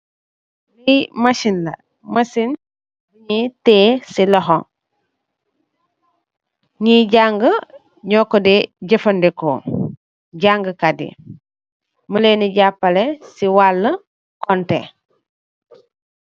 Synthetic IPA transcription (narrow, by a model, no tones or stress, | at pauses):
lijmɐsinlɐ̰ | mɐsin | biɲiteːsiloɦoŋ | ɲiɟaŋɡə | ɲɔːkodeɟɐfɐndiko̰ | ɟaŋɡəkadḭ | məleniɟapːɐlesiwalːə | kɔntḛ